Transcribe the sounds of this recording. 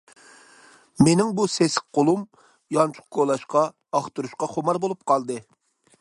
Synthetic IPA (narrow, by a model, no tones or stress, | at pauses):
menɪŋbuseskqʰolˠum | jɑnt͡ʃʰʊ̥q̚kʰolˠɑʃqɑ | ɑχt̪uɾuʃqɑχomɑɾbolˠup̚qʰɑlˠd̪ɨ